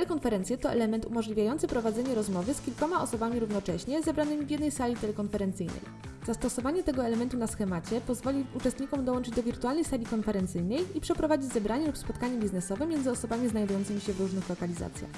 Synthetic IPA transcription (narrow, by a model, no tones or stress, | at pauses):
ɛlɛkɔnfɛɾɛnt̪sʲjɛt̪ɔʔɛ̰lɛmɛnt̪umɔʐlʲivʲjajɔnt̪sɘpɾɔvad̪zɛɲɛɾɔzmɔvɘskʲilkɔmaɔsɔbamʲiɾuvnɔt͡ʂɛɕɲɛzɛbɾanɘmʲivʲjɛd̪nɛjsalʲit̪ɛlɛkɔnfɛɾɛnt̪sɘjnɛ̰j | z̥ast̪ɔsɔvaɲɛt̪ɛɡɔɛlɛmɛnt̪unasxɛmat͡ɕɛpɔzvɔlʲiut͡ʂɛst̪ɲikɔmd̪ɔwɔnt͡ʂɘd͡ʑd̪ɔvʲiɾt̪ualnɛjsalʲikɔnfɛɾɛnt̪sɘjnɛjipʂɛpɾɔvad͡ʑid͡ʑzɛbɾaɲɛlupspɔt̪̚kaɲɛbʲiznɛsɔvɛmʲjɛnd̪zɘɔsɔbamʲiznajd̪ujɔnt̪sɘmʲiɕɛvɾuʐnɘxlɔkalʲiza̰t̪sʲja̰x